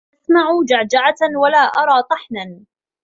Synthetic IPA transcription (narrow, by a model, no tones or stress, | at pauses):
ʔasmaʕud͡ʒaʕd͡ʒaʕawalaːʔɑɾˤɑːt̪ˤɑħnan